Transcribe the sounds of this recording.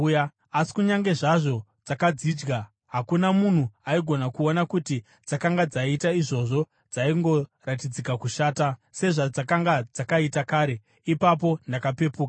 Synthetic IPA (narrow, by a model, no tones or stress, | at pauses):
a | asi̥kuɲaŋɡe̞ʐaʐo̞d͡zakad͡ziːd͡ʒɡa | ɦakunamun̤uaiɡʱo̞nakuo̞nakuti | d͡zakaŋɡad͡zaitaiʐo̞ʐo̞ | d͡zaiŋɡo̞ratid͡zikakuʃaːtase̞ʐad͡zakaŋɡad͡zakaitakaːɾe̞ | ipap̬o̞ndakape̞puːka